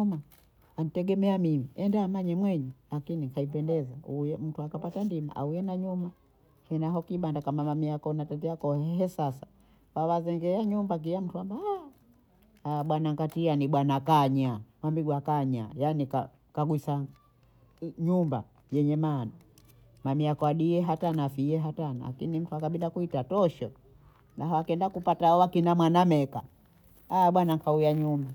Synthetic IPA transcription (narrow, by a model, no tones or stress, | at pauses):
uma | anitɛɡɛmɛamimiɛndaːmaɲɛmwɛɲɛlakinikʰaip̬ɛndɛzauɛm̩tuakapatandima̰ʔa̰ujɛnaɲuma | hɛnaɦɔkiɓandakamamamiakɔnatatiakɔhɛsasa | wawazɛŋɡɛaɲumbak̬ijam̩tuambaa | aɓwanaŋɡatianiɓwanakaɲawambiɡwakaɲa̰janika | kaɡwisa | ɲumba | jɛɲɛmana | mamiakwaɗiɛɦatanafijɛɦatana̰la̰kinim̩tuakaɓidakuitatɔʃɔ | naɦawakɛndakupataɔwakinamwanamɛka | aɓwanaŋkaujaɲumba